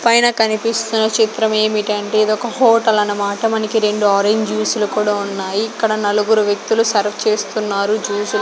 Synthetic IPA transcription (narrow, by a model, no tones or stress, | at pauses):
pɐjnɐkɐnipist̪unːɐt͡ʃit̪ɾɐme̞ːmiʈɐɳʈeːid̪ɔkɐhɔːʈɐlɐnɐmaːʈɐmɐnikiɾe̞ɳɖuaːɾeɲd͡ʒjuːsulukuːɽaːunːaːjiːkːɐɽɐnɐluɡuɾuʋjek̚t̪ulusɐɾpʰt͡ʃe̞ːst̪unːaːɾud͡ʒuːsul